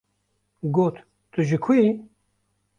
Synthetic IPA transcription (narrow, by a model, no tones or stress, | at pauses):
ɡoːt̪ | t̪ɨʒikʰui